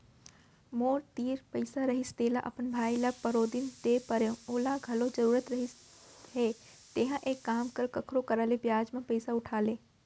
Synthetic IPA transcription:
moːɾt̪iːɾpəɪsaɾɐɦist̪eːlaʔɐ̰pənbʱaːilɐbpɐɾoːd̪int̪eːpɐɾjõoːlaɡʱɐlod͡ʒɐɾuːɾət̪ɾɐɦiɦeː | t̪eɦãʔeːkːaːmkəɾkɐkʰɾokɐɾaːlebjaːd͡ʒmẽpɐɪsaʊʈʰaːlẽː

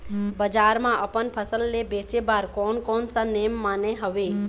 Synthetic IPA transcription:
bəd͡ʒaɾmãʔəpənpʰəsəlːebet͡ʃebaɾkonkonsanemːaneɦəʋe

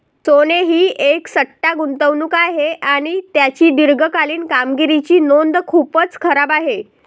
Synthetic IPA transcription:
t͡soneɦiːʔeksəʈːaɡunt̪əʋnuːkaɦeʔaɽ̃it̪jat͡ɕiːɖiɾɡəkaliːnkamɡiɾit͡ɕiːnond̪kʰupət͡skʰəɾabaɦe

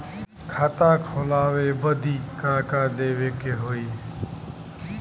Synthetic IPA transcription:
kʰaːt̪ãːkʰoːlaːʋeːbəd̪ʱiːkãːkaːd̪eːʋeːkeɦoːiː

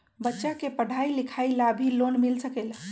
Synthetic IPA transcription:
bətːʃakepəɽʱailikʰailabʱilonmilsəkel

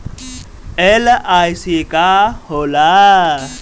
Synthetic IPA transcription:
ɛlaʔaisikʼaholaː

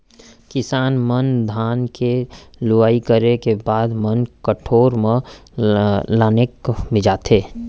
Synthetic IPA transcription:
kɪsaːnmənd̪ʱaːnkelʊʋaːikəɾekebaːd̪mənkəʈʰoːɾmẽ | laːnekmɪd͡ʒaːt̪ʰeː

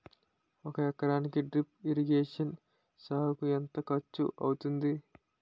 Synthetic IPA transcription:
ɔkɐjɛkːɐɾaːnikiɖɾipiɾiɡeːʂɐn | saːbɐkuent̪ɐkɐt͡ʃːṵʔɐ̰wut̪und̪i

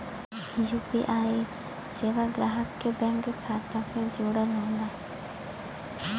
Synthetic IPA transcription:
juːpḭːʔaːeː | seːʋaːɡɾaːɦəkːbɛ̃ŋkkʰaːt̪aːsẽːd͡ʒuːɽəlõnd̪aː

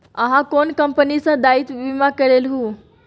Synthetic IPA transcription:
əɦãkonkəmpənisə̃d̪ait̪bimakəɾelɦũ

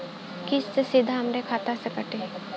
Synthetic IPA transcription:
kɪsesɪd̪ʱaɦɐmɾekʰaːt̪asekɐʈeː

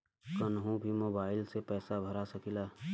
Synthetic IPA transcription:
kənɦũbʱimoːbaːɪlsepɛːsabʱəɾasɐkilaː

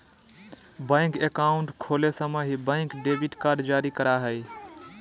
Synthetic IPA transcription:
bə̃ɪkekaʊɳʈkʰolesəməɦibə̃ɪ̃ŋkɖebiʈkaɾɖd͡ʒaɾikəɾaɦəj

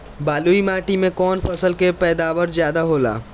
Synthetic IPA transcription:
baːluːimaːʈimẽkɔːnfɐsəlkepɛːd̪aːʋəɾzjaːd̪aɦoːla̰ː

